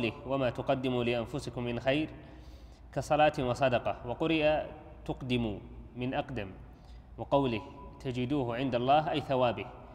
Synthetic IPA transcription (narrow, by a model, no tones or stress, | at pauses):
lɪhwamat̪ʊqɑd̪ːɪmulɪʔanfʊsɪkʊmːɪnxajɾ | kɑsˤɑlɑːt̪wɑsˤɑd̪ɑqɑwɑqʊɾɪʔa | t̪ʊqd̪ɪmumɪnʔɑqd̪am | wɪqɑwlɪht̪ad͡ʒɪd̪uːhʕɪnd̪alˤːɑːɦʔajθawaːbɪh